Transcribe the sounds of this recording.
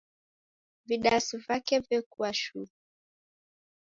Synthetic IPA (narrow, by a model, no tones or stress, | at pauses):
viɗasivakɛvɛkuaʃu